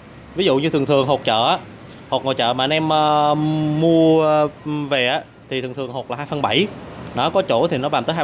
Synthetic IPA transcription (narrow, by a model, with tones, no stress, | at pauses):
vi˨˦zṵ˧˨ɲɨ˧ɨ˨˩ŋt̪ʰɨ˨˩əŋɦo˨˩t̚t͡ɕə̰ː˧˨ʔaː˨˦˥ | ho˨˩t̚ŋɔ˨˩jt͡ɕə̰ː˧˨maː˨˩ə˧nʔɛ˧məː˧mu˧ə | ve˨˩ʔaː˨˦˥ | t̪ʰi˨˩t̪ʰɨ˨˩ŋt̪ʰɨ˨˩əŋho˨˩t̚laː˨˩haː˧jfə˧ŋɓa˧˩jnɔ˨˦kɔ˨˦t͡ɕo˧˩t̪ʰi˨˩nɔ˨˦ɓaː˨˩mt̪əː˨˦ɦa˧